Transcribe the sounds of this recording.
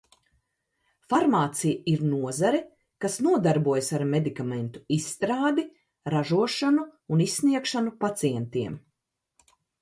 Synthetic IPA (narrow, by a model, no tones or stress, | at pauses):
faɾmaːt̪sijiɾnuɔzaɾɛ | kasnuɔd̪aɾbuɔjsaɾmed̪ikament̪u̥isːt̪ɾaːd̪i | ɾaʒuɔʃanuːnisːniɛkʃanupat̪siɛnt̪iɛm